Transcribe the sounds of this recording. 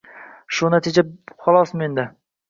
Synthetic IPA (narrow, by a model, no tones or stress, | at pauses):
ʃʊnat̪ʰɪd͡ʒaχɒlˠɒsmend̪ɪ